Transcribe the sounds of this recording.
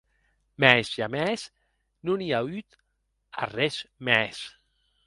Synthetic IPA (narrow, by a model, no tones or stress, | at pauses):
mɛzʒamɛs | nuniayt̪ | a̰rɛsmɛs